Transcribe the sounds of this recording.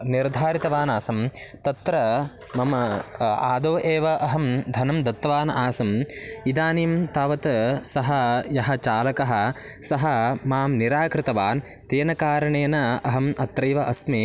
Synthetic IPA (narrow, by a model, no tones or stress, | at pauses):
niɾd̪ʱaːɾit̪ɐʋaːnaːsɐmt̪ɐt̪ɾɐ | mɐmɐaːd̪oːʔeːʋɐʔɐɦɐmd̪ʱɐnɐmd̪ɐt̪ːɐʋaːnaːsɐmid̪aːniːmt̪aːʋɐt̪sɐɦɐjɐɦɐ̆t͡ʃaːlɐkɐɦɐ̆ | sɐɦɐmaːmniɾaːkɾɪt̪ɐʋaːn | t̪eːnɐkaːɾɐɳeːnɐɐɦɐmɐt̪ɾɐjʋɐʔɐsmeː